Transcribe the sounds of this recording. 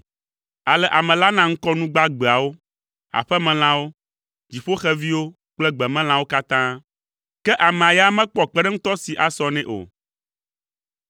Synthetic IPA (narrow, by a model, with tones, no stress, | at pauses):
a˨lɛ˨ʔa˨mɛ̃˨la˦nã˦ŋ̩˦kɔ˦nũ˦ɡ͡ba˦ɡ͡bɛ˨a˨wo˦ | a̰˨ɸɛ˦mɛ̃˨l̃ã˦wo˦ | d͡ʑi˨ɸo˦xɛ˦vi˦wo˦ | k͡plɛ˦ɡ͡bɛ˨mɛ̃˦l̃ã˨˦wo˦ka˦t̪ã˦ | kɛ˦ʔa˨mɛ̃˨a˨ja˦mɛ̃˦k͡pɔ˨k͡pɛ˦ɖɛ˦ŋ̩̃˦t̪ɔ˦si˨ʔa˨sɔ˦nɛ̃˦ʔo̰˨